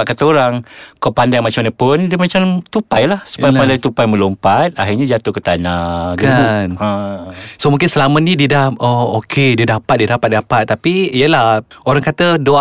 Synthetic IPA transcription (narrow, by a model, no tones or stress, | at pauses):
aʔkat̪əoɾaŋkapandaŋmat͡ʃamanəpʊndiəmat͡ʃamt̪upajlahsu̥pajapandajt̪upajmə̃lompat̪̚aɦirɲad͡ʒat̪ukət̪anaɡəunəsomũŋkɪnsəlamənĩdidaookʰediədapat̪̚diədapat̪̚dapat̪̚ːapiijəlaoɾaŋkat̪ədo